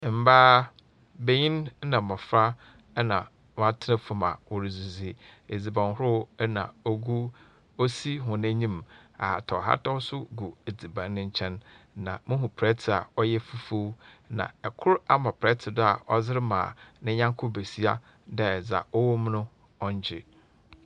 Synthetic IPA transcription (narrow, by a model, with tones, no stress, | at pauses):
m̩˨baː˦ | be˨ɲĩ˦n˦nã˨mɔ̃˨fɾa˦ | nã˨ | w̃a˨tʰɪ˦nɪ̃˦fʊ˦ma̰˨wɔ˨ɾi˨zu˨zi˨e˨d͡zi˨bã˨n˨ɦʊ˦ɾʊ˦nã˨o˦ɡu˦ | o˦si˦ɦʊ̃˨nã˦ɲĩ˦ma̰˨ha̰˨tʰɔ˨ɦa̰˦tʰɔ˦sʊ˦ɡu˨e˨d͡zi˨bã˨n˦nɪ̃˦ɲ̩˦t͡ɕʰɛ̃˦nnã̰˨mɪ̃˦ɦʊ̃˨pʰɾɛ˦tʰɪ˨a̰˨ɔ˦jɛ˦fu˦fo˦wnã̰˨ɛ˨kʰʊ˦ɾa˦mã˨pʰɾɛ˦tʰɪ˨dʊ˦a̰˨ʔɔ˦zɪ˦ɾɪ˦mã̰ː˨nɪ̃˦ɲã˦ŋkʰʊ˦be˨si˦a̰˦ | dɛ˦˨d͡za̰˨ɔ˦wɔ˦m˦nʊ̃˦ | ɔ˦ɲ˦d͡ʑɪ̰˨